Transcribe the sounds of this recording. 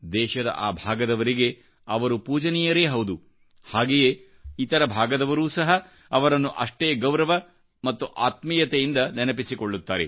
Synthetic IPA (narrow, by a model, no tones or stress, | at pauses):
d̪ɛːʃɐd̪ɐ̰ʔaːbʱaːɡɐd̪ɐʋɐɾiɡe̞ | ɐʋɐɾupuːd͡ʒɐnijɐɾeːɦɐwd̪u | haːɡeje | it̪ɐɾɐbʱaːɡɐd̪ɐʋɐɾuːsɐɦɐː | ʋɐɾɐnːuʔɐ̰ʂʈeːɡɐwɾɐʋɐ | mɐt̪ːuʔaːt̪mijɐt̪ejind̪ɐnɛnɐpisikoɭːut̪ːaːɾe